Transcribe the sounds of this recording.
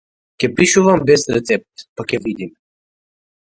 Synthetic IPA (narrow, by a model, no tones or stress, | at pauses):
kʲɛpiʃuvambɛsɾɛt̪sɛp̚t̪pakʲɛvid̪im